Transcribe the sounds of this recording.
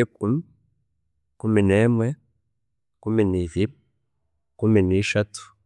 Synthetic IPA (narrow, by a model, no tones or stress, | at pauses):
ikumi | kumineːmwe | kuminivi | kuminiːʃatu̥